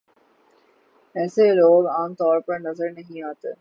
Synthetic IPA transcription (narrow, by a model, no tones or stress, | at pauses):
ɛːseloːɡaːmt̪ɔːɾpɐɾnɐzəɾnɐɦĩaːt̪eː